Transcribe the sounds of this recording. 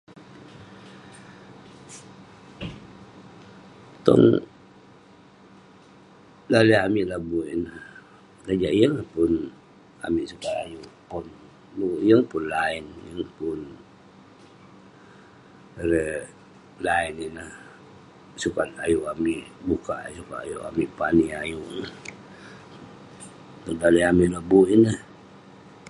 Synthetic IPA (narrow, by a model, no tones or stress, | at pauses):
t̪ɔ̰ŋ | laləamiʔlabuʔinah | kad͡ʒaʔjəŋlahpʊn | a̰miʔsukana̰juʔpun | ujəŋpʊnlainjəŋpʊn | ɾə | laininəh | sukat̪a̰juʔamiʔbukaʔsukaa̰juʔa̰miʔpaniajuʔnəh | tunlaləjamiʔlabuʔinəh